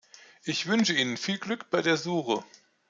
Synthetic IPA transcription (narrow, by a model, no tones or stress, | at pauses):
ʔɪçv̥ʏnʃəiːnənfiːlɡlʏkb̥aɪdeːɐzuːχə